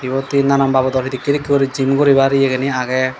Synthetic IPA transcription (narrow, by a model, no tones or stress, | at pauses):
ibɔt̪inanambabɔd̪ɔʈʰid̪ikːiɾikːiɔɾid͡ʒimkɔɾibaɾijɛkɛniaɡɛ